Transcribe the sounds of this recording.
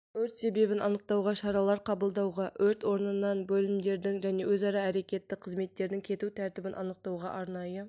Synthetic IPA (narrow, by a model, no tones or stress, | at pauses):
ɵɾt̪se̞be̞bɪnʔɑnəq̚t̪ɑwʁɑʃɑɾɑlˠɑɾqʰɑbəlˠd̪ɑwʁɑʔɵɾt̪wo̞ɾnənɑnbɵlɪmd̪e̞ɾd̪ɪŋʒæne̞wɵzɑɾɑæɾe̞kʲe̞t̪ːɪqʰəzme̞t̪ːe̞ɾd̪ɪŋkʲʰe̞t̪ut̪ʰæɾt̪ɪbɪnʔɑ̰nəq̚t̪ɑwʁɑ̰ʔɑɾnɑjə